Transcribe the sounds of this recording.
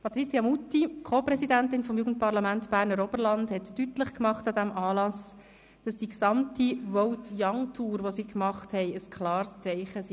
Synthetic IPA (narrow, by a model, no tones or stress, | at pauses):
pɑt̪ɾit͡siɑmutːikʰoːpɾɛsidæntɪnfɔmjuːɡ̥ən̩t̚pɑɾlɑmæntb̥æːɾnəɾɔbəɾlɑndhɛtːytlɪχkmɑχtɑdæmʔɑːlɑs | d̥ɑsd̥iksɑmtiʋɔltjɑŋtʰuːɾʋosiːkmɑχthɛɪəskʰlɑːrst͡sɛɪχəs